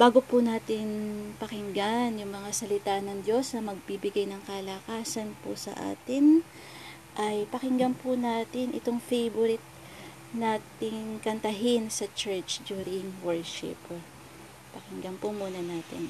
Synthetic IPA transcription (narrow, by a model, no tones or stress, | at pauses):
b̥aːɡopʊnaːt̪ɪnpɐkɪŋɡanjʊŋmɐŋasɐlɪt̪anɐŋd̪jo̞snɐmɐɡ̚bibɪɡajnɐŋkɐlɐkaːsɐnpʊsɐ̰ʔa̰ːt̪ɪn | ʔɐjpɐkɪŋɡɐmpʊnaːt̪ɪnʔɪ̰t̪oŋfejbʊɾɪt̪̚ | naːt̪ɪŋkɐnt̪ɐɦɪnsɐt͡ʃɛɹt͡ʃd̪juːɾɪŋwɛɹʃɪ̰p | pɐkɪŋɡɐmpʊmuːnɐnaːt̪ɪ̰n